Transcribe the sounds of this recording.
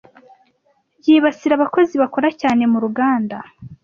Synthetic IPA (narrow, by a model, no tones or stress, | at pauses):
jiːβasiɾaβako̞ziβako̞ɾacaːne̞muɾuɡaːnda